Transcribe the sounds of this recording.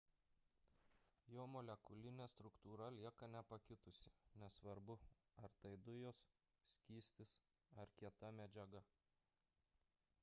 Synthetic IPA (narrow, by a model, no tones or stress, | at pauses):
joːmɔlʲɛkʊlʲɪnʲeːst̪ɾʊkt̪uːɾɐlʲiɛkɐnʲɛpɐkʲɪt̪ʊsʲɪnʲɛsʋɐɾbʊ | ɐɾt̪ɐɪd̪ʊjoːs | sʲkʲiːsʲt̪ʲɪs | ɐɾkʲiɛt̪ɐmʲɛd͡ʒʲɛɡɐ